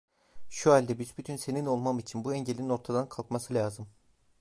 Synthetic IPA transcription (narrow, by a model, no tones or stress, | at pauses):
ʃualʲd̪ɛbizbyt̪ʰynse̞nino̞lˠmamit͡ʃʰinbuɛɲɟelʲinino̞ɾt̪ʰad̪ankʰalˠkmasɯlʲaːzɯm